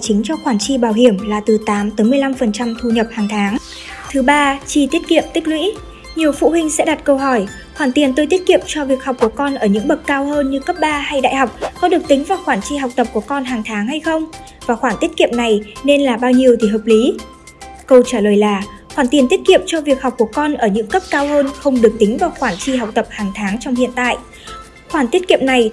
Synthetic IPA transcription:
t͡ɕï˨˦ŋ̟t͡ɕɔ˧xwaː˧˩nt͡ɕi˧ɓaː˧˩wɦi˧˩əmlaː˨˩t̪ɨ˨˩t̪aː˨˦mt̪ə˨˦mɨ˧əjla˧mfə˨˩nt͡ɕa˧mt̪ʰu˧ɲə˨˩p̚haː˨˩ŋt̪ʰaː˨˦ŋ | t̪ʰɨ˨˦ɓaː˧t͡ɕi˧t̪i˦˥ət̚kḭ˧˨əmt̪ï˦˥k̟̚lwḭ˧˥ | ɲi˨˩əwfṵ˧˨hï˧ŋ̟sɛ̰˧˥ɗa˨˩t̚kə˧wɦɔ˧˩j | xwaː˧˩nt̪i˨˩ənt̪o˧jt̪i˦˥t̚kḭ˧˨əmt͡ɕɔ˧vi˨˩ək̚ha˨˩k͡p̚ku˧˩əkɔ˧nʔəː˧˩ɲɨ̰˧˥ŋɓə˨˩t̚kaː˧whəː˧nɲɨ˧kə˦˥p̚ɓaː˧ha˧jɗa̰ː˧˨jha˨˩wk͡p̚kɔ˨˦ɗɨ˨˩ək̚t̪ï˨˦ŋ̟vaː˨˩wxwaː˧˩nt͡ɕi˧ɦa˨˩wk͡p̚t̪ə˨˩p̚ku˧˩əkɔ˧nɦaː˨˩ŋt̪ʰaː˨˦ŋha˧jxə˧wŋ͡m | vaː˨˩xwaː˧˩nt̪i˦˥ət̚kḭ˧˨əmna˨˩jne˧nlaː˨˩ɓaː˧wɲi˧əwt̪ʰi˨˩ɦəː˨˩p̚li˨˦ | kə˧wt͡ɕaː˧˩ləː˨˩jlaː˨˩ | xwaː˧˩nt̪i˨˩ənt̪i˦˥ət̚kḭ˧˨əmt͡ɕɔ˧vi˨˩ək̚ha˨˩k͡p̚ku˧˩əkɔ˧nʔəː˧˩ɲɨ̰˧˥ŋkə˦˥p̚kaː˧whəː˧nxə˧wŋ͡mɗɨ˨˩ək̚t̪i˨˦ŋ̟vaː˨˩wxwaː˧˩nt͡ɕi˧ɦa˨˩wk͡p̚t̪ə˨˩p̚haː˨˩ŋt̪ʰaː˨˦ŋt͡ɕɔ˧wŋ͡mhḭ˧˨ənt̪a̰ː˧˨jʔ | xwaː˧˩nt̪i˦˥ət̚ki˧˨əmna˨˩j

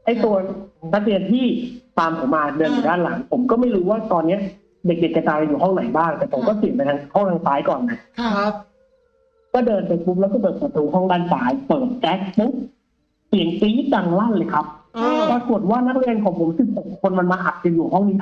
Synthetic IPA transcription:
ʔa˥˩jt̪u˧ɐsʰa˦˥t̪i˧˩ənt̪ʰiː˥˩t̪aː˧mpʰo˨˩˦mːaː˧dɤː˧nju˨˩aː˥˩nla˨˩˦ŋpʰo˩˦mkɔː˥˩ma˥˩jɾuː˦˥waː˥˩t̪ɔː˧nːi˦˥ɐʔ | de˨˩k̚de˨˩k̚t͡ɕa˧˩t͡ɕaː˧a˧juː˨˩ɦɔ˥˩ŋna˩˦jbaː˥˩ŋt̪ɛː˨˩pʰo˨˩˦mkɔː˥˩si˨˩ənpa˧jt̪ʰaː˧ŋhɔ˥˩ŋt̪ʰaː˧ŋsaː˨˦˥jkɔː˨˩nːa˦˥ | kɔː˥˩dɤː˧npeː˧k̚bu˦˥p̚lɛ˦˥kɔː˥˩p̬ɤː˨˩pːt̪̚ːuː˧ɦɔ˥˩ŋdaː˥˩nsaː˦˥jpɤː˨˩t̪̚t͡ɕɛ˦˥k̚bu˦˥k̚ | pli˨˩ənpiː˦˥da˧ŋla˥˩nlɤː˧˩jkʰa˦˥p̚pʰɔː˧t̪ʰu˨˩ət̪̚waː˥˩na˦˥k̚ɾi˧ənkʰɔː˨˩˦ŋpʰo˩˦msi˨˩p̚ho˨˩kʰːo˧nma˧nmaː˧ʔa˨˩t̪̚t͡ɕa˧juː˨˩ɦɔ˥˩ŋniː˦˥

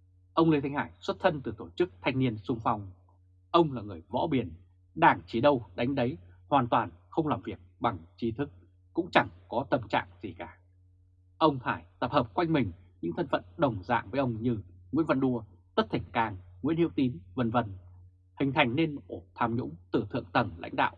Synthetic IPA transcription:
ʔə˧wŋ͡mlt̪ʰa˧ŋ̟haː˧˩jswə˦˥t̚t̪ʰə˧nt̪ɨ˨˩t̪o˧˩t͡ɕɨ˦˥k̚t̪ʰa˧jŋ̟ni˧ənsʊ˧ŋ͡mfa˧wŋ͡m | ʔə˧wŋ͡mlaː˨˩ŋɨ˨˩əjvɔ̰˧˥ɓi˧˩ən | ɗaː˧˩ŋt͡ɕi˧˩ɗə˧wɗa˨˦jŋ̟ɗə˨˦jhwaː˨˩nt̪waː˨˩nxə˧wŋ͡mlaː˨˩mvi˨˩ək̚ɓa˨˩ŋt͡ɕi˨˧˦t̪ʰɨ˦˥k̚ː | ʊ̰˧˥ŋ͡mt͡ɕa˧˩ŋkɔ˨˦t̪ə˧mt͡ɕa̰ː˧˨ŋz̥i˨˩kaː˧˩ | ʔə˧wŋ͡mt̪ʰaː˧˩jt̪ə˨˩p̚həː˨˩p̚kwa˧jŋ̟mï˨˩ŋ̟ɲɨ̰˧˥ŋt̪ʰə˧nfə̰˧˨nɗə˨˩wŋ͡mza̰ː˧˨ŋvəː˨˦jʔə˧wŋ͡mɲɨ˧ŋḭ˧˥ənvə̰˧˨nɗu˧ə | t̪ə˦˥t̚t̪ʰï˧˩ŋ̟kaː˧˩ŋŋ̰˧˥nhi˧˥wt̪i˨˦nvə˧nvə˧n | hï˨˩ŋ̟t̪ʰa˨˩jŋ̟ne˧nʔo˧˩t̪ʰaː˧mɲʊ̰˧˥ŋ͡mt̪ɨ˨˩t̪ʰɨ̰˧˨əŋt̪ə˨˩nla̰˧˥jŋ̟ɗa̰ː˧˨wʔ

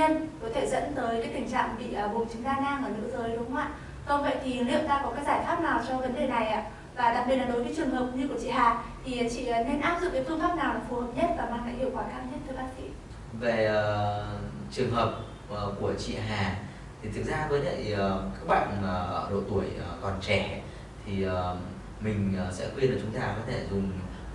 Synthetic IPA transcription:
ɲə˧nkɔ˨˦t̪ʰe˧˩zə̰˧˥nt̪əː˨˦jka˨˦˥jt̪ï˧˩ŋ̟t͡ɕa̰ː˧˨ŋɓḭ˧˨əː˨˩vu˨˩˨t͡ɕɨ˨˦ŋzaː˧ŋaː˧ŋʔəː˧˩nɨ̰˧˥zəː˨˦jɗʊ˨˦ŋ͡mwa̰ː˧˨ | kɔ˧wvḛ˧˨jt̪ʰi˨˩˨lḭ˧˨əwt̪aː˧kɔ˨˦kaː˨˦kzaː˧˩jfaː˦˥p̚naː˨˩wt͡ɕɔ˧və˨˦nɗe˨˩na˨˩jʔa̰ː˧˨ | vaː˨˩t̪a̰ː˧˨kɓi˨˩la˨˩ɗo˨˦jvə˨˦t͡ɕwɨ˨˩ə˩ŋɦəː˨˩p̚ɲɨ˧ku˧˩ət͡ɕḭ˧˨haː˨˩t̪ʰi˨˩˨t͡ɕḭ˧˨˩ne˧nʔaː˦˥p̚zʊ̰˨˧˨ŋ͡mkaː˨˦jt̪u˧ŋ͡mfaː˦˥p̚naː˨˩wlaː˨˩fu˨˧˩həː˨˩p̚ɲə˦˥t̚vaː˨˩maː˧˩ŋla̰ː˧˥hḭ˧˨əwkwaː˧˩kaː˧˩nt̪ʰt̚t̪ə˧jɓaː˦˥t̚kḭ˧˩˨ | ve˨˩˨ | t͡ɕɨ˨˩əŋɦəː˨˩p̚ | ə˨˩ku˧˩ət͡ɕḭ˧˨ɦaː˨˩ | t̪ʰi˨˩t̪ʰɨ˨˩k̚zaː˧vəː˨˦ɗə̰˧˨jə˨˩kaː˦˥k̚ɓa̰ː˧˨nə˨˩˨ɗo̰˧˨t̪u˧˩əjkɔ˨˩nt͡ɕɛ˧˩ | t̪ʰi˨˩ə˨˩ | mï˨˩ŋ̟ː˨˩sɛ̰˧˥kwi˧nlaː˨˩t͡ɕʊ˨˦ŋ͡mt̪aː˧kɔ˨˦t̪ʰe˧˩zʊ˨˩ŋ͡m

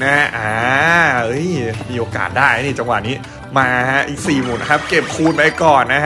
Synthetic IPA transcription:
na˦˥ʔaː˧ɤ˦˥jmiː˧ʔoː˧ka̰ː˨˩t̪̚daː˥˩jha˦˥˩ni˧˩t͡ɕa˧ŋwa̰˨˩niː˦˥ | maː˧ka˦˥ʔiː˨˩k̚siː˨˩mu˨˩˦nkʰa˦˥p̚ke˨˩p̚kʰuː˥˩t̪̚ma˦˥˩jkɔː˨˩nːa˦˥kʰ

